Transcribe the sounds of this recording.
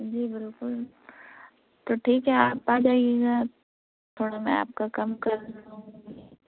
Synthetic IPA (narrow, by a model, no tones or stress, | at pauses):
d͡ʒiːbɪlkʊl | t̪oːʈʰiːkɦɛaːpad͡ʒaːieːɡa | t̪ʰoːɽamɛ̰̃a̰ːp̚kakɐmkɐɾnaɦũːɡi